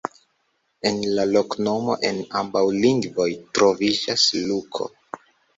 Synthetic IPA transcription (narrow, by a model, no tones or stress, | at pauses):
e̞nlalo̞kno̞mo̞̰ʔenambawliŋɡvo̞jtɾo̞vid͡ʒaslukʰo̞̰